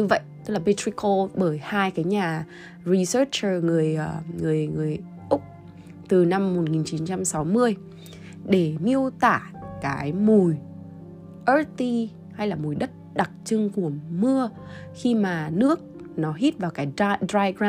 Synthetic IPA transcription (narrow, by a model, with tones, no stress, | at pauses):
ɲɨ˧və̰˧˨jʔtt̪ɨ˦˥k̚laː˨ɓe˧tʰɹi˧ko˧ɓəː˧˩jhaː˧jkaː˨˦jɲaː˨˩ | ɹi˧səː˦˥t͡ɕə˨˩ŋɨ˨˩əjŋɨ˨˩əjŋɨ˨˩əj | ʔʊ˦˥k͡p̚ | t̪ɨ˨˩na˧mːo˨˩t̚ŋi˨˩nt͡ɕi˨˦nt͡ɕa˧msa˨˦wmɨ˧əj | ɗe˧˩mi˧əwt̪aː˧˩kaː˨˦jmu˨˩j | ʔə˦˥tt̪i˧ | ha˧jlaː˨˩mu˨˩jɗə˦˥t̚ɗa˨˩t̚t͡ɕɨ˧ŋku˧˩əmɨ˧ə | xi˧maː˨˩nɨ˦˥ək̚ | nɔ˨˦ɦi˦˥t̚vaː˨˩wkaː˨˦jdɾaː˧ɡa˧